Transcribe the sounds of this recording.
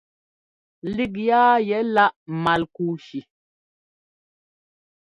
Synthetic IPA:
li˦˨k̬̚jaː˦jɛ˨˦la˦ʔma˨lku˦˨ʃi˨

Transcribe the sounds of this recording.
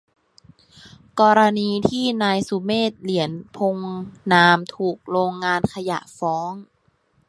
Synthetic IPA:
kɔː˧ɾa˧niː˧t̪ʰiː˥˩naː˧jsu˧˦meː˥˩t̪̚li˩˦ənpʰo˧ŋnaː˧mt̪ʰuː˨˩k̚ɾoː˧ŋːaː˧nkʰa˧ja̰˨˩ʔfɔː˨˦˥ŋ

